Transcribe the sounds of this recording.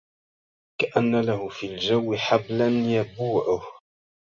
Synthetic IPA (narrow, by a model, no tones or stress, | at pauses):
kaʔanːalahʊfiːld͡ʒawːɪħablanjabuːʕʊh